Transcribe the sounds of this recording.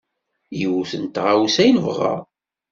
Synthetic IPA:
jəwθənt̪ʁawsæjnvəʁːɑ̰

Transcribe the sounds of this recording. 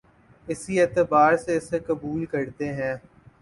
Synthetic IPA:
ɪsieːt̪əbaːɾseɪsekɐbuːlkɐɾt̪eɦɛ̃ː

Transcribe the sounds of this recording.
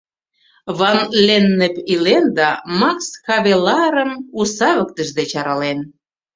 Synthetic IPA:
βɑnlenːəpilend̪ɑmɑksxɑβelɑɾəmusɑβəkt̪ə̆ʒd̪et͡ɕɑɾɑlen

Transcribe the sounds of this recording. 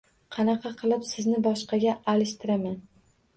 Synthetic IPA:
qʰɑnɑqʰɑqʰɨlˠɪpsɪznɪbɒʃqɑɡʲaːlɪʃt̪ʰɪɾaman

